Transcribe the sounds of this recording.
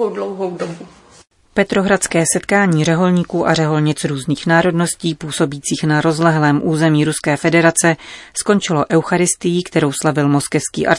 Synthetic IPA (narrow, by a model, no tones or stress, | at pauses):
owdlowɦowdobu | pɛt̪ɾo̞ɦɾat̪t͡skɛːsɛt̪kaːɲiːrɛɦo̞lɲiːkuːʔarɛɦo̞lɲɪt͡sɾuːzniːxnaːɾo̞dno̞sciːpuːso̞biːt͡siːxnaɾo̞zlɛɦlɛːmʔuːzɛmiːɾuskɛːfɛdɛɾat͡sɛsko̞nt͡ʃɪlo̞ʔɛwxaɾɪst̪ɪjikt̪ɛɾo̞wslavɪlmo̞skɛfskḭːʔa̰ɾ